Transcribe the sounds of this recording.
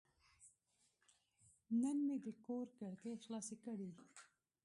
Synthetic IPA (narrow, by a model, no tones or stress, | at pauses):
nənmed̪əkoɾkaɽk̪exlɑːsikəɽi